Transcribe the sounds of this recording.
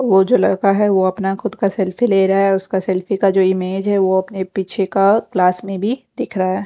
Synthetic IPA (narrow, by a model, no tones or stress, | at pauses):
ʋod͡ʒoːlɐɾkaɦɛʋoɐpnaxʊd̪kasɛlfileːɾaaɦɛʊskasɛlfikad͡ʒoːɪmeːd͡ʒɦɛʋoɐpnepiːt͡ʃʰekaklaːsmẽbʱid̪ɪkʰɾaaɦɛː